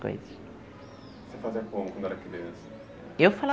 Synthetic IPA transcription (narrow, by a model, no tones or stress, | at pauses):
ko̰jzɐs | sefaziɐkõmʊkwɐ̃nd̪ɛlɐkibes | ewfala